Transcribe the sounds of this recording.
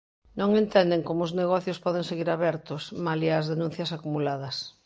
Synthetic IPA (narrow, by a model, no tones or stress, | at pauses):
nõŋẽnt̪ɛnd̪eŋkomʊːzneɣ̞ɔθjospɔð̞eŋseɣiɾaβɛɾt̪ʊsmaliazðenũn̟θjɐsakumulað̞ɐs